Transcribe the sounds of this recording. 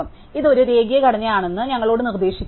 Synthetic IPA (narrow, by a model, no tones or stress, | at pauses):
ɐm | iðo̞ɾuɾe̞ːɡijɐkɐɽɐɲːɐjaːɳe̞nːɨɲɐŋːɐɭo̞ːɽɨnird̪e̞ːɕikʲː